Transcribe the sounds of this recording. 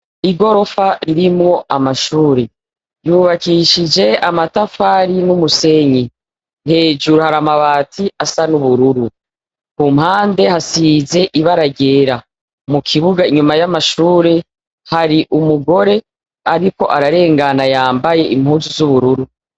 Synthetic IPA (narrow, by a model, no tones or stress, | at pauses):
iɡo̞ɾo̞faɾiɾimŋo̞ʔamaʃuːɾe | juːβakiʃid͡ʒe̞amatafaːɾinumuse̞ɲi | nhe̞ːd͡ʒuɾuhaɾamaβaːtʰiasanuβuɾuɾu | kumhaːnde̞hasize̞ʔiβaɾaɟe̞ːɾa | mukʰiβuɡaiɲumajamaʃuːɾe̞ | haɾiʔumuɡo̞ɾe̞ | aɾiko̞ʔaɾaɾe̞ːŋɡanajaːmbaje̞ʔim̥huːnzuzuβuɾuɾu